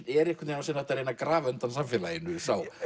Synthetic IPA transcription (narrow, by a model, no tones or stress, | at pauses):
ɛɾɛhkvʏt̪enawsiːnaɛht̪aɾejnakɾaːvœnt̪ansamfɛːlajɪnːʏsaw